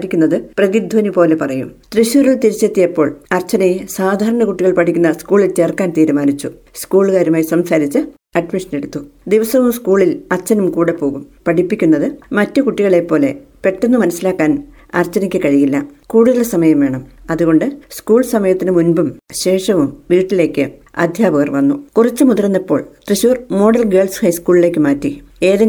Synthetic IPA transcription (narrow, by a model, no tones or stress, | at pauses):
ɾikʲːunːɐðɨprɐðid̪ʱʋɐnipo̞ːle̞pɐrɐjṵmt̪riɕuːɾɐɭt̪iɾit͡ɕːe̞ːt̪ːijɐpːo̞ːɭɐrt͡ɕɐnɐjisaːd̪ʱaːɾɐɳɐkuʈːiɣɐɭpɐʈʰikʲːunːɐskuːɭilt͡ɕe̞ːrkːaːnt̪iːɾumaːnit͡ɕːu | skuːɭkaːɾumaːjisɐmsaːɾit͡ɕːɨ | ɐɖmiʂɐne̞ɽut̪ːud̪iʋɐsɐʋumskuːɭilɐrt͡ɕːɐnumkuːɽepːo̞ːɣumpɐʈipːikʲːunːɐðɨmɐtːɨkuʈːiɣɐɭe̞pːo̞ːle̞pe̞ʈːenːɨmɐnɐsːilaːkːaːn | ɐ̰rt͡ɕːɐnikʲːɨkɐɻijilːɐkuːɽuðɐlsɐmɐjɐmʋe̞ːɳɐmɐðuɣo̞ɳɖɨskuːɭsɐmɐjɐt̪ːinɨmunbumɕe̞ːʂɐʋumʋiːʈːile̞ːkːɨɐ̰d̪ʱjaːbɐɣɐrʋɐnːukurɐt͡ɕːɨmuðɐrɐnːipːo̞ːɭt̪riɕuːrmo̞ːɽɐlɡe̞ːɭshɐjskuːɭile̞ːkːɨmaːtːie̞ːðɐ